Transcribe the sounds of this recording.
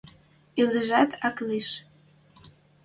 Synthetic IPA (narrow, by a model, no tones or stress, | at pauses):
iləʒæt̪ʰɑkliʃ